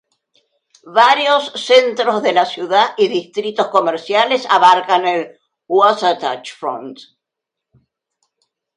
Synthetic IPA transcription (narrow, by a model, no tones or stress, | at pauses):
βaɾjosːent̪ɾozðe̞lasjuðaʔiðist̪ɾit̪o̞sko̞meɾsjalesa̰βaɾkanel | wwasat̪a̰t͡ʃfɾo̰nt̪